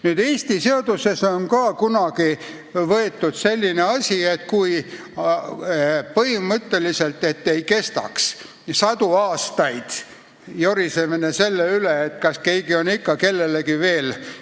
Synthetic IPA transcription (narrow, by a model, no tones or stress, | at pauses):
nyːd̪̥e̞ːsʲt̪ise̞od̪̥use̞sonkɑːkunɑɡ̥i | vɤe̞t̪ːˑud̪̥se̞lʲːineɑsʲiet̪̚kuj | pɤɦimɤt̪ːe̞lise̞lt̪e̞t̪ːe̞jke̞st̪ɑ̰ks | sɑd̪̥uɑːst̪ɑjd̪̥ | jo̞ɾise̞minese̞lːeyleːt̪kɑske̞jɡio̞nikːɑke̞lːe̞lekive̞ːl